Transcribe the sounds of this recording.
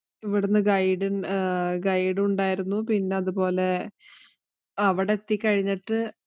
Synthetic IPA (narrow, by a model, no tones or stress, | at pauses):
iʋiɽunːɨɡɐjɖɨnɡɐjɖuɳɖaːjiɾunːupinːe̞ɐðupo̞ːle̞ | ɐʋiɽe̞t̪ːikʲːɐɻiɲːiʈːɨ